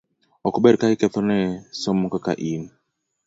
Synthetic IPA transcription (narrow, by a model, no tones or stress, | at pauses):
ɔkɔbɛɾkaikɛt̪ɔnɛsɔmukaka̰ʔin